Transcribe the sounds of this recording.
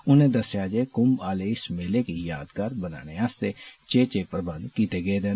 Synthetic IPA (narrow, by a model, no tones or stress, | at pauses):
ʊnẽːd̪ɐsjaːd͡ʒekʊmaːleɪsmeːlekijaːd̪kaːɾbəna̰ːneaːst̪et͡ʃeːt͡ʃepɾəbə̃nd̪kiːt̪eɡeed̪eː